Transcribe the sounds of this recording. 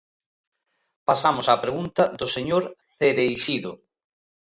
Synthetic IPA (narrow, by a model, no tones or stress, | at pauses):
pasamʊsapɾeɣunt̪ɐd̪ʊseɲoɾθeɾejʃiðʊ